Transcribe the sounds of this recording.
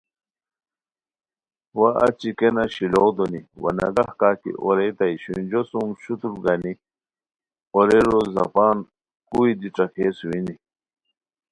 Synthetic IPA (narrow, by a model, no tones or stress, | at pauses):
wɐʔɐt͡ɕikenɐɕilod̪oniwɐ̰nɐ̰ɡɐhkaːkḭʔɔɾet̪ajɕund͡ʑosumɕut̪uɾɡɐni | ɔɾeɾozɐ̰paːn | kuid̪iʈ͡ʂɐkʰeswini